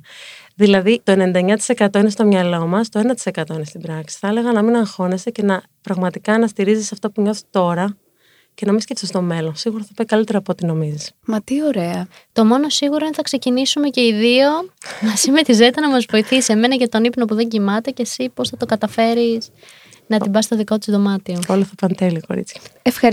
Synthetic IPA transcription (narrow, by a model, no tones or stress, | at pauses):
ðilɐðit̪o̞ene̞nd̪ɐɲɐt̪i̥se̞kɐt̪o̞ine̞st̪o̞mɲɐlo̞mɐst̪oenɐt̪i̥se̞kɐt̪o̞inest̪ibɾɐksi̥θɐele̞ɣɐnɐminɐŋxo̞ne̞st̪ece̞nɐ | pɾɐɣmɐt̪ikɐnɐst̪iɾizisɐft̪opuɲo̞θi̥t̪o̞ɾɐ | cenɐmiscefsest̪o̞me̞lo̞nsiɣuɾɐθɐpɐjkɐlit̪e̞ɾɐːpoot̪ino̞mizismɐt̪ioɾe̞ɐ | t̪o̞mo̞no̞siɣuɾoinθɐkse̞cinisume̞ce̞iðio̞mɐsimet̪izet̪e̞nɐmɐzvo̞iθise̞me̞nɐʝɐt̪o̞nipno̞puðe̞ɲɟimɐt̪e̞ce̞sipo̞sθɐt̪o̞kɐt̪ɐfe̞ɾis | nɐt̪ibɐst̪oðikot̪izðo̞mɐt̪iooloθɐpɐnt̪elioko̞̰ɾḭt͡sçɐ̥efɐ